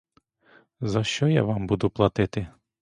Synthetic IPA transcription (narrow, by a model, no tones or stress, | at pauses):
zɐʃt͡ʃɔjɑ̰ʋɑmbud̪ʊplˠɐt̪ɪt̪ɪ